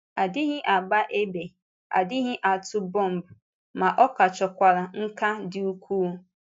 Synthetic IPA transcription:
a˨dɪ˦ɦɪ˦ʔa˨ɡ͡ba˦ʔe˦be˨ | a̰˨dɪ˦ɦɪ˦ʔa˨tʊ˦bɔ˦˨m̩˨bu˨ | ma˨ʔɔ˦ka˨t͡ʃɔ˨kʷa˨ɾa˨ŋ̩˦ka˦dɪ˦u˦kʷu˦

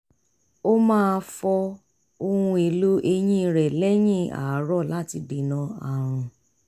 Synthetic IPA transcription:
o˦mãː˦˧fɔ˧ | o˧hũ˧e˨lu˦ʔe˧j̃ĩ˦˧ɾɛ˨lɛ˦j̃ĩ˦˨a̰˨˦ɾɔ˦˨la˦ti˧˨bi˨nã˧˦a˨ɾ̃ũ˧

